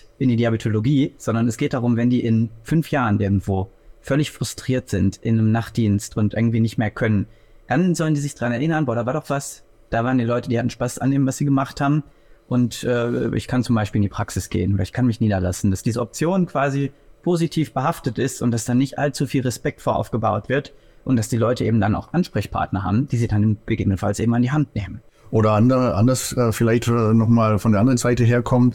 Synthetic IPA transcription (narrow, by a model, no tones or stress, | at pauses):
ʔɪndiːdiabitʰoloɡiːz̥ɔndɐnɛsɡ̥eːt̚d̥aʁʊmvɛndiːʔɪnfʏnfjaːʁənʔɪɐɡŋ̩tv̥oːfœlɪçfʁ̥ʊstʁ̥iːɐtz̥ɪntʔɪnəmnaχt̚d̥iːnstʊntʔɪɐɡŋ̩tv̥iːnɪçtmeːɐkʰœnən | d̥anzɔləndiːzɪçd̥ʁanɛɐʔɪnɐnbɔːɐɾaːvaːɐdɔχv̥as | d̥aːvaːʁəndiːlɔʏtəd̥iːhatn̩ʃpasʔa̰nːeːmənvasz̥iːɡəmaχthaːbm̩ | ʔʊntʔɛːɛ̰ʔɪ̰çkʰant͡sʊmbaɪʃpiːlɪndiːpʁ̥aksɪsɡ̥ḛːənoːdɐɪçkʰanmɪçniːdɐlasn̩d̥asd̥iːzəɔp̚t͡sjoːnkv̥aːzipʰozitʰiːfb̥əɦaftətɪstʊnt̚d̥asd̥aːnɪçtʔa̰lt͡sufiːlʁɛspɛk̚tfoːɐʔa̰ʊfɡ̥əbaʊtv̥ɪɐt | ʔʊntd̥asd̥iːlɔʏtəʔḛːbm̩dana̰ʊxʔanʃpʁ̥ɛçpʰa̰ɐtnɐɦa̰ːbm̩d̥iːziːdanɪnb̥əɡeːbənənfa̰lsʔeːm̩andiːɦantneːmən | ʔoːɾɐʔandəʁəʔandɐsɛːfɪlaɪçtːnɔχmaːlfɔndeɐandəʁənzaɪtəɦeːɐkʰɔmt